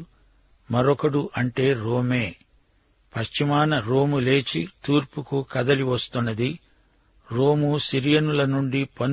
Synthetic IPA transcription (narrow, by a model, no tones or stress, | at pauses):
mɐɾɔkɐɽuʔɐɳʈe̞ːɾoːme̞ː | pɐʃt͡ʃimaːnɐɾoːmule̞ːt͡ʃit̪uːɾpukukɐd̪ɐliʋɐst̪unːɐd̪i | ɾoːmusiɾijɐnulɐnuɳɖipɐn